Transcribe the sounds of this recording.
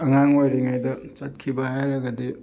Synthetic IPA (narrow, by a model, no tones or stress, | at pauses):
ɐŋaŋojɾiŋajdɐt͡ʃat̚kʰibahajɾaɡade